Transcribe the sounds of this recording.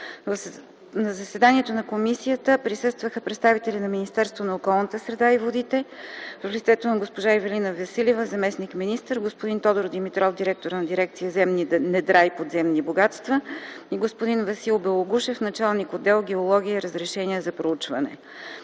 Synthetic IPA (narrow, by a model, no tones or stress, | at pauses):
v | nɐzəsɛd̪aniɛt̪onɐkomisijət̪əpɾisɤst̪vəxəpɾɛt̪st̪avit̪ɛlinɐminist̪ɛɾst̪vonɐokɔlˠnət̪əsɾɛd̪aivod̪it̪ɛvəflit̪sɛt̪onɐɡospoʒaivɛlinəvɐsilivəzɐmɛsnikminist̪əɾɡospʊd̪int̪ɔd̪oɾod̪imit̪ɾɔfd̪iɾɛk̚t̪oɾnɐd̪iɾɛk̚t̪sijəzɛmninɛd̪ɾajpod̪zɛmniboɡat̪st̪vəiɡospʊd̪invɐsilˠbɛlˠoɡuʃɛfnɐt͡ʃalˠnikod̪ːɛlˠɡʲɛolˠɔɡʲiəiɾəzɾɛʃɛniəzɐpɾout͡ʃvɐnɛ̰